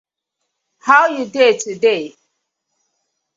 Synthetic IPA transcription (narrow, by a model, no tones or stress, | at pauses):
haʊjudetʰɨdeɪ